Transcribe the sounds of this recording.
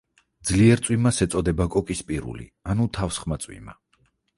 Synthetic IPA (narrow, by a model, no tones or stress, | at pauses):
d̪zliɛɾt̪sʼwimasɛt̪sʼɔd̪ɛbakʼɔkʼispʼiɾṵlḭanut̪ʰafsχmat̪sʼwḭma̰